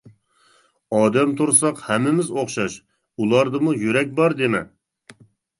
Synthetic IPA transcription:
ɑːd̪ɛmt̪ʰuɾsɑqhɛmːɪmɪzoχʃɑʃ | ulˠɑɾd̪ɨmujyɾɛk̚ʲbɑɾd̪emɛ̰

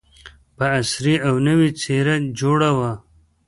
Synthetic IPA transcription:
pəːsɾiawnəwit͡seɾad͡ʒoɽawa

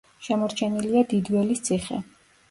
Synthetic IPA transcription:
ʃɛmɔɾt͡ʃʰɛniliad̪id̪wɛlist̪sʰiχɛ̰

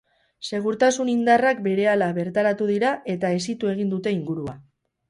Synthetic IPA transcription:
se̞ɣ̞uɾt̪asunind̪arak̚be̞ɾe̞alaβe̞ɾt̪aɾat̪uðiɾaʔe̞t̪ae̞sit̪ue̞ɣind̪ut̪e̞iŋɡuɾua

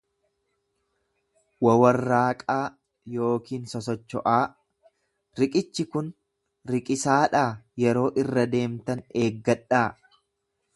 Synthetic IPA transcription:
wɐwɐrːaːkʼaː | jo̞ːkiːnsɔsɔt͡ʃːɔʔaː | ɾɪkʼɪt͡ʃːɪkʊn | ɾɪkʼɪsaːᶑaːjɛɾo̞ːʔɪrːɐd̪e̞ːmt̪ɐneːɡːɐᶑːaː

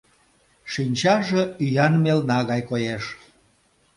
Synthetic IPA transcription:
ʃinʲt͡ɕɑʒeyjɑnmelnɑɣɑjkojeʃ

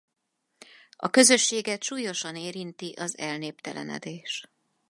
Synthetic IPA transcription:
ɒ̰kø̞zø̞ʃːeːɡɛt̪ʃuːjo̞ʃɒneːɾint̪iʔɒzɛlneːpt̪ɛlɛ̰nɛ̰d̪eːʃ

